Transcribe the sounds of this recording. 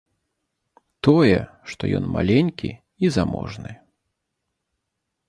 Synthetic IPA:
t̪ɔjɛ | ʂt̪ɔjɔnmalʲenʲkʲḭ | izamɔ̰ʐnɨ

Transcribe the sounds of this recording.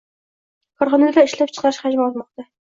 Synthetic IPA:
kʰɒɾχɒnad̪aɪʃlap̚t͡ʃʰɨ̥qʰɑɾɪʃhad͡ʒmaɒlˠmɒq̚t̪a

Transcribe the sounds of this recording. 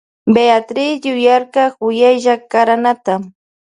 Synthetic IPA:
beat̪ɾɪsjʊjaɾkɑkʊjajʒakaɾanat̪a

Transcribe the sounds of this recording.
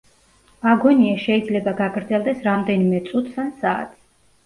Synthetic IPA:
aɡɔniaʃɛid̪zlɛbaɡaɡɾd̪zɛlˠd̪ɛsɾamd̪ɛnimɛt̪sʼut̪ʰsansaːt̪ʰi̥

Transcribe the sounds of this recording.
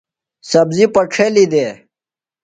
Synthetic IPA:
sɐbzipɐʈ͡ʂʰelid̪eː

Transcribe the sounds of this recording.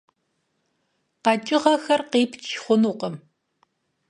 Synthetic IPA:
qɑt͡ʃʼɪʁɐxɐrqeːpʰt͡ʃʰχʷʊnuːqəm

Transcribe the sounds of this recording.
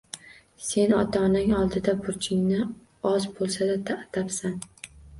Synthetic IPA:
se̞nɒt̪ʰɒnɪŋɒlˠd̪ɪd̪abʊɾt͡ʃʰɪŋnɪ | ɒzbolˠsad̪at̪ʰat̪ʰapsan

